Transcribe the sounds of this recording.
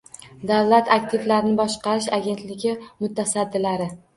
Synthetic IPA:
d̪awlat̪ʰak̚ʲt̪ʰɪvlaɾɪnɪbɒʃqɑɾɪʃaɡʲe̞nt̪lɪɡʲɪmʊt̪ʰasad̪ːɪlaɾɪ

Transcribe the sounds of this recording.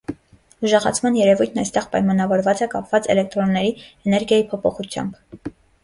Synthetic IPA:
uʒɛʁɑ̰t͡sʰmɑnjɛɾɛvujt̪ʰnɑjst̪ɛʁpɑ̰jmɑnɑvɔɾvɑt͡sɛkɑpvɑt͡sɛ̰lɛk̚t̪ɾɔnːɛɾiɛnɛɾɡjɑjipʰɔpʰɔχut͡sʰjɑ̰mb

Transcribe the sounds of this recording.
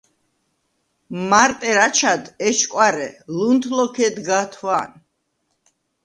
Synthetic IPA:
maɾt̪ʼɛɾat͡ʃʰad̪ɛʃkʼwaɾɛlunt̪ʰlɔkʰɛd̪ɡat̪ʰwan

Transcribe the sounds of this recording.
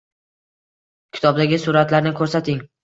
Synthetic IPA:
kʲʰɪ̥t̪ʰɒb̚d̪aɡʲɪsʊɾat̪laɾnɪkʰɵɾsat̪ʰɪŋ

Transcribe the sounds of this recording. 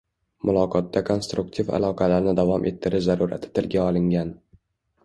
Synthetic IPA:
mʊlˠɒqʰɒt̪ːakʰo̞nst̪ɾʊkt̪ʰiva̰lˠɒqʰɑlaɾnɪd̪avɒmʔe̞̰t̪ʰːɪɾɪʃzaɾuɾa̰t̪ʰɪ̥t̪ʰɪlɡʲaɒlˠɪŋɡʲan

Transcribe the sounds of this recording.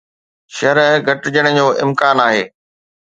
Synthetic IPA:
ʃɐɾɡʱɐʈd͡ʑəɽ̃ʊ̆d͡ʑoːʔɪ̰mkaːnaːɦḛː

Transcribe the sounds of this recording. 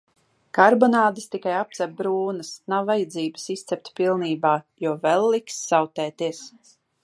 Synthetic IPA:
kaɾbɔnaːd̪ɨst̪ikajap̚t̪sɛp̚bɾuːnəsnawːajad̪ziːbə̥sist̪sʲɛp̚t̪ʲpilˠniːbaːjuɔvɛlˠːiksːawt̪ɛːt̪iɛs

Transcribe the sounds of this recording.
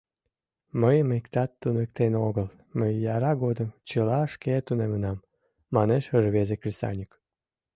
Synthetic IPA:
məjəmekt̪ɑt̪ːunəkt̪enoɣəl | məjːɑɾɑɡod̪əmt͡ɕəlɑʃket̪unemənɑmː | ɑneʃəʒβezekrʲist̪ɑ̰nʲik

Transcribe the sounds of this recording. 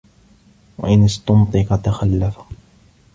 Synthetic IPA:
wa̰ʔɪnɪst̪ɑnt̪ˤɨqɑt̪axalːafḁ

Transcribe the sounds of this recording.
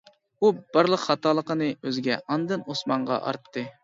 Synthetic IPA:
ub̥ɑɾlˠəqχɑt̪ʰɑːlˠəqənɨøzɪɡʲɛʔɑnd̪ɨnosmɑɴʁɑ̰ʔɑ̰ɾt̪ʰːɨ

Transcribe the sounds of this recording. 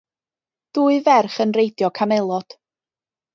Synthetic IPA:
ð̥uːɨvɛrχənrejdjɔkʰamɛlˠɔd̥

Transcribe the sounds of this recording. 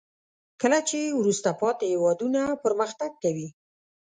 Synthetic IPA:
kəlat͡ʃewɾust̪apɑt̪ehɪwɑd̪unapəɾməxt̪aɡ̚kawi

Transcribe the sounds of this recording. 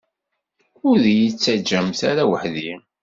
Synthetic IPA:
ʊɾðjit͡sːæd͡ʒːəmθæɾæwəħði

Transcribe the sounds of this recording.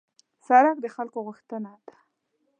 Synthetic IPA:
saɾak̚d̪əxalkoɣuxt̪ənad̪̥ḁ

